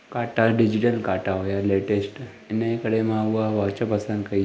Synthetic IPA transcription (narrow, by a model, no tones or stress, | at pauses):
kaʈaɖid͡ʑiʈəlkaʈaɦojaleʈesʈ | ɛnekəɽemãʋaʋaʋt͡ɕapəsənd̪kai